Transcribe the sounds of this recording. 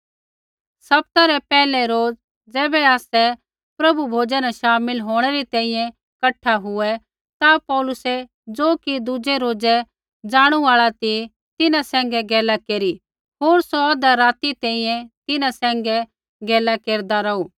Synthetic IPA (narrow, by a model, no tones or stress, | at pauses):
sɐp̚t̪aɾɛpɛːlɛɾoːd͡z | d͡zɛːbɛaːsɛ | pɾɐbubʱoːd͡ʒãnaʃaːmɪlɦoːɽ̃ɛɾit̪ɛ̃ːĩjɛ̃ | kɐʈʰaɦʊɛ | t̪apɔːlʊsɛ | d͡zoːkid̪ʊd͡ʒɛɾoːd͡ʒɛ | d͡ʒaːɽ̃uaːɭat̪i | t̪ɪnãsɛ̃ːŋ̆ɡɛɡɛːlakeːɾi | ɦoːɾsɔd̪aɾaːt̪it̪ɛ̃ĩjɛ̃t̪ɪnãsɛ̃ːŋɡɛ | ɡɛːlakeːɾd̪aɾɐuː